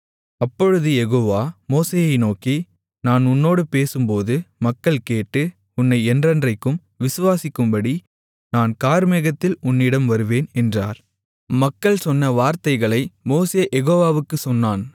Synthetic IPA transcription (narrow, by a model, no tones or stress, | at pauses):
ɐpːɔɻɯðɯjɛɣoːʋaːmoːseːjɐɪnoːki | naːnʊnːoːɽɯpeːsɯmpoːðɯmɐkːɐɭkeːʈːɯ | ʊnːɐɪɛndrɐndrɐɪkːɯm | ʋɪsɯʋaːsɪkːɯmbɐɽi | naːnkaːɾmɛɣɐt̪ːɪlʊnːɪɽɐmʋɐɾɯʋeːnɛndra̰ːɾ | mɐkːɐɭsɔnːɐʋaːɾt̪ɐɪɣɐɭɐɪmoːseːʔɛɣoːʋaːʋɯkːɯsɔnːaːn